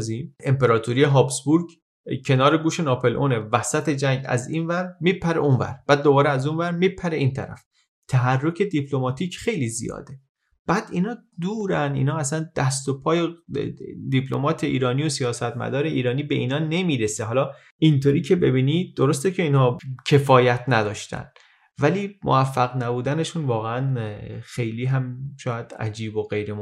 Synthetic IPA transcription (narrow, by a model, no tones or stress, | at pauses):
zie̞mpe̞ɾɒːt̪ʰoɾijeɦɒːpsbuɾɟ | cʰe̞nɒːɾe̞ɡuːʃe̞nɑːpʰe̞lʔonevæsæt̪ʰe̞d͡ʒæɲɟæ̰ziːnvæɾmipʰæɾḛunvæ̰ɾb̥æːd̪ːo̞bɒːɾeæzunvæɾmipʰæɾeʔiːnt̪ʰæ̰ɾæ̰f | t̪ʰæɦærːo̞cʰe̞d̪ipʰlo̞mɒːt̪ʰiːcxe̞jlizḭjɒ̰ːd̪e̞ | b̥æːd̪̥iːnɒːd̪uːɾænḭːnhɒːæsænd̪̥æst̪o̞pʰɒːje | d̪ipʰlo̞̰mɒːt̪ʰe̞ʔḭːɾɒːnijo̞sijɒːsæt̪mæ̰d̪ɒːɾe̞iːɾɒːniːbe̞ʔiːnɒːne̞miːɾeseɦɒːlɒ | ʔint̪ʰoɾiːcʰe̞be̞biːnid̪̚d̪o̞ɾo̞st̪ecʰe̞iːnhɒːcʰe̞fɒːjæt̪ʰnæd̪ɒːʃt̪æ̰n | væliːmʔoæfːæɣnæbuːd̪æne̞ʃuːnvɒːɣeænxe̞jliːɦæmʃɒːjæd̪̥æ̰d͡ʒiːboɣe̞jɾem